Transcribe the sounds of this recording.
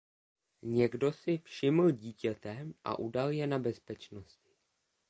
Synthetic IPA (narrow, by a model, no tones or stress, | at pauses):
ɲɛɡdo̞sɪfʃɪml̩ɟiːcɛt̪ɛʔa̰ʔudaljɛnabɛspɛt͡ʃno̞scɪ̥